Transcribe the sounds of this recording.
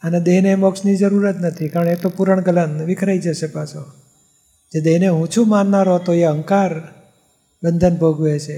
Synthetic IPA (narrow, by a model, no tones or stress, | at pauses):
əned̪eɦnemɔksnid͡ʒəɾuɾət̪nət̪ʰikaɾəɳet̪opuɾəɳ̃ɡələnʋɪkʰɾajd͡ʒəʃepaso | d͡ʒed̪eɦneɦũt͡ʃʰumanːaɾoɦət̪oeəŋkaɾ | bənd̪ʱənbʱəɡʱuet͡ʃʰe